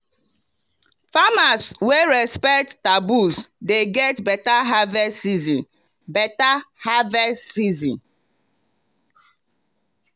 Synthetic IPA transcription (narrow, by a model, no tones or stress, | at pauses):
famasweɹɛspɛk̚ttabusdeɡɛtbɛtaɦavɛsizĩn | bɛtahavɛsizḭ̃n